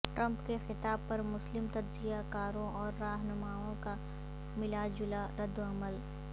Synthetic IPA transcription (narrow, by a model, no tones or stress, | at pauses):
ʈɾɐ̃mpkexɪt̪aːb̚pɐɾmʊslɪmt̪ɐdzijakaːɾõʔɔːɾːaːɦnʊmaːõka | mɪlad͡ʒʊlaɾɐd̪ːoɐməl